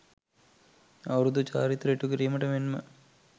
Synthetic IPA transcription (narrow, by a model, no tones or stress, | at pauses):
ɐwɾud̪ut͡ʃa̰ːɾit̪ɾeʈːukiɾijmɐʈɐmenmə